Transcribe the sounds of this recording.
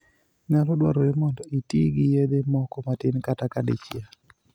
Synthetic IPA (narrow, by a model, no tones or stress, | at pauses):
ɲalɔdwaɾojemɔndɔitiɡijed̪emɔkɔmatɪnkatakadɪ̰t͡ʃja